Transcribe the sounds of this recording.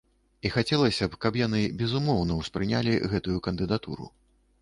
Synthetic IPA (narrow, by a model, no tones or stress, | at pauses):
ixat͡sʲɛlˠɐsʲɐpkɐpjan̪ɨbʲɛzumɔwnɐwspɾɨnʲalʲiɣɛt̪ujukɐnd̪ɨd̪at̪ṵɾṵ